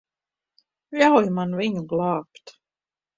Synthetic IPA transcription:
jawjmanviɲuɡlˠɑːpt̪

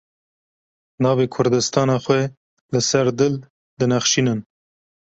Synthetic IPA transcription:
nɑːveːkʰʊɾd̪ɨst̪ɑːnɑːxwɛ | lɨsæɾd̪ɨl | d̪ɨnaxʃiːnɨn

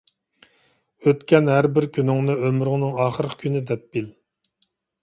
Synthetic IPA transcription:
øt̪kʲɛnɦæɾbɪɾkʲʰynɪŋnɨømɾʊŋnɨŋɑːχəɾqʰkʲʰynɪd̪ɛp̚b̥il

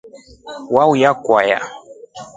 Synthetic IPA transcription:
waujakwaja̰

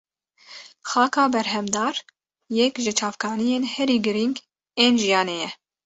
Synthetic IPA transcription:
xɑːkɑːbɛɾɦɛmd̪ɑːɾ | jɛkʒɨt͡ʃʰɑːvkʰɑːnijeːnhɛɾiːɡɨɾiŋɡ | eːnʒijɑːneːjɛ

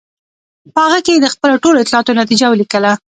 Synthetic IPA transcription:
pəhaɣəkejed̪əxpəloʈoloɪt̪lɑɑt̪onat̪̬id͡ʒawəlikəla

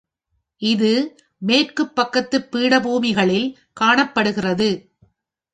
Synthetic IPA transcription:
ʔɪðɯ | meːrkɯpːɐkːɐt̪ːɯpːiːɽɐbuːmɪɣɐɭɪl | kaːɳɐpːɐɽɯɣɪrɐðɯ

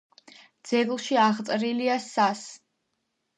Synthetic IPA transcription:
d̪z̥ɛɡlˠʃiaʁt̪sʼɾiliasas

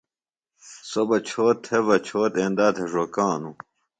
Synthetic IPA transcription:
sobɐt͡ɕʰoːt̪ʰːeβɐt͡ɕʰoːt̪ẽnd̪aːt̪ʰeʐokãːnu

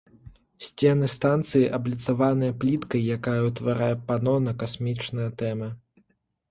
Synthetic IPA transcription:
sʲt͡sʲɛnɨst̪ant̪sɨjiʔɐblʲit̪savanɨjɐplʲit̪kɐjːakajɐwt̪vaɾajɛpanɔnɐkasmʲit͡ʂnɨjɐt̪ɛmɨ

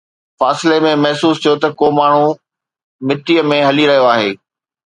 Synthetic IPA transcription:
faːsɪlemẽmɐɦsuːst̪ʰijot̪ɐkomaːɳ̤ũ | mɪʈijəmẽɦɐliɾɐɦijoaːɦeː

